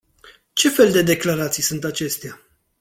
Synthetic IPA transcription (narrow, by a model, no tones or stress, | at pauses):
t͡ʃe̞fe̞ld̪e̞d̪e̞klaɾat̪sijsunt̪at͡ʃe̞st̪ea